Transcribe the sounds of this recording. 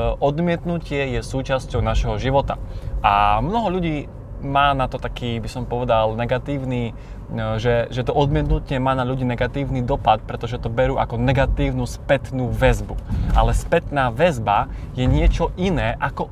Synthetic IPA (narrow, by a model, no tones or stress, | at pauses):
ɔd̪mɪɛt̪nucɪɛjɛsuːt͡ʃascɔʊnaʃɦɔʒiʋɔt̪a̰ʔamnɔɦɔʎuɟiː | maːnat̪ɔt̪akʰiːbisɔmpɔʋɛd̪alnɛɡat̪iːʊni | ʒɛʒɛt̪ɔʔɔd̪mɪɛt̪nucɪɛmaːnaʎuɟiːnɛɡat̪iːʊnid̪ɔpat̪̚pɾɛt̪ɔʒɛt̪ɔbɛɾuːʔa̰kɔnɛɡat̪iːʊnuspɛt̪nuːʋɛzbuʔalɛspɛt̪naːʋɛzba | jɛɲɪɛt͡ʃɔʔinɛːʔakɔ